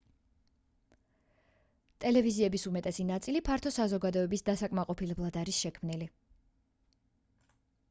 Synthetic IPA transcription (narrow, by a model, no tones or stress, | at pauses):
t̪ʼɛlɛviziɛbisumɛt̪ʼɛsinat̪sʼilipʰaɾt̪ʰɔsazɔɡad̪ɔɛbisd̪asakʼmaqʼɔpʰilɛblˠad̪aɾisʃɛkʰmnili